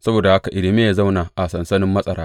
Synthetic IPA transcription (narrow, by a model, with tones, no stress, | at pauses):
sɐ˦boː˨da˨ha˦ka˨ʔɪ˨lɪ˨me˦aː˨za˦wnaː˨ʔa˨sɐ˨nsɐ˦nɪ˦mːɐ˦sʼɐ˨ɾaː˦